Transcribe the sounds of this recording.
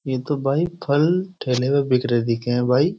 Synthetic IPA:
jeːt̪obʱaːipʰɐlʈʰeːleʋebɪkɾed̪ikẽbʱaːi

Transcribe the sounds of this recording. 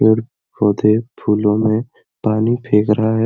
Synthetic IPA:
ɔɾ | bɔːd̪epʰuːlõmẽ | paːnipʰeːkɾɐɦaɦɛ

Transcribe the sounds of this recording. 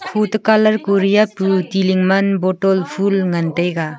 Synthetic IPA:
pʰutɯkalɐɾkoɾijaputiliŋmanbɔtɔlpʰulŋantajɡa

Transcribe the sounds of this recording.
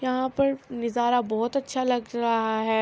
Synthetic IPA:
jɐɦãpɐɾnɪzaːɾabɔːt̪ɐtːʃʰalɐɡɾɐɦaɦɛː

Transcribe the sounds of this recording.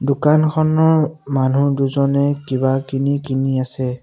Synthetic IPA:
dʊkankʰɔnɔɹmanuduzɔnɛkibakinikiniasɛ

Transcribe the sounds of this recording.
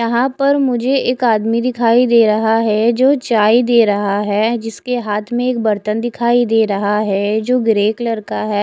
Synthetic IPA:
jɐɦãpɐɾmʊd͡ʒʱeeːkaːd̪mid̪ɪkʰaːid̪eːɾɐɦaɦɛd͡ʒoːt͡ʃaːid̪eːɾɐɦaɦɛd͡ʒɪskeɦaːt̪ʰmẽeːk̚bɐɾt̪ənd̪ɪkʰaːid̪eːɾɐɦaɦɛd͡ʒoːɡɾeːklɐɾkaɦɛː

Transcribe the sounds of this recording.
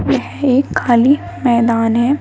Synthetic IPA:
jɛɦeːkʰːaːli | mɛːd̪aːnɦɛ

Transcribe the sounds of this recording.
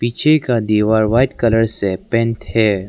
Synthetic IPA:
piːt͡ʃʰekad̪iːʋaːɾʋaːɪʈkɐləɾsepɛ̃ːnʈhɛː

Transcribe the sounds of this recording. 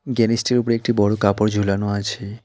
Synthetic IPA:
ɡɛnisʈiɾupoɽeek̚ʈibɔɽokapoɾd͡ʑʱulanoat͡ɕʰe

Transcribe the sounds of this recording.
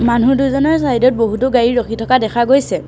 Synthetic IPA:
manuduzɔnɔɹsaɦidɔt̚boɦutʊɡaɹiɹokʰitʰɔkadɛkʰaɡojsɛ

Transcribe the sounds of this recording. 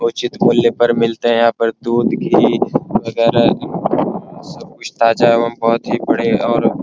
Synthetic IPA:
ʊt͡ʃɪt̪muljepɐɾmɪlt̪eɦɛ̃jɐɦãːpɐɾd̪uːd̪kiʋɐɡɛːɾa | sɐb̚kʊt͡ʃʰt̪aːd͡ʒaːeʋɐmbɔɦʊt̪ɦibɐɽ̤eɔːɾ

